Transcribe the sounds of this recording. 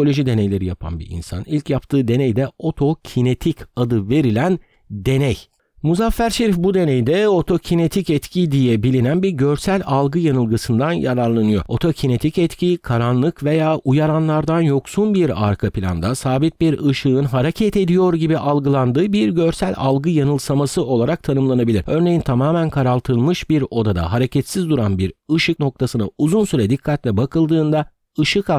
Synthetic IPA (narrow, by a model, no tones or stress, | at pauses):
olʲo̞ʒid̪e̞nejlʲe̞ɾijapʰa̰nbḭɾḭnsa̰nilʲcʰjapt̪ʰɯːd̪e̞nɛjd̪ɛo̞t̪ʰo̞cʰine̞t̪ʰicad̪ɯve̞ɾilʲæn | d̪e̞nɛj | muzafːæɾʃeɾifbud̪e̞nɛjd̪ɛo̞t̪ʰo̞cʰine̞t̪ʰicɛt̪cʰid̪ijɛbilʲinænbiɾɟøɾsælʲalˠɡɯjanɯlˠɡɯsɯnd̪anjaɾaɾlˠanɯjo̞̰o̞t̪ʰo̞cʰine̞t̪ʰicɛt̪cʰikʰaɾanlˠɯkve̞jaːʔujaɾanlˠaɾd̪anjo̞ksunbiɾa̰ɾkʰapʰilʲa̰nd̪asaːbit̪̚biɾɯʃɯɯnɦaɾecʰɛt̪e̞d̪ijo̞ɾɟibiʔalˠɡɯlˠand̪ɯːbiɾɟøɾsælʲa̰lˠɡɯjanɯlˠsamasɯo̞lˠaɾak̚t̪ʰanɯmlˠanabilʲiɾø̞ɾne̞jint̪ʰamaːmænkʰaɾalˠt̪ʰɯlˠmɯʃbiɾo̞d̪ad̪a̰ɦaɾe̞cʰɛt̪sizd̪uɾanbiɾɯʃɯk̚no̞k̚t̪ʰasɯnauzunsyɾɛd̪ikʰːat̪lʲɛbakʰɯlˠd̪ɯːnd̪a | ɯʃɯka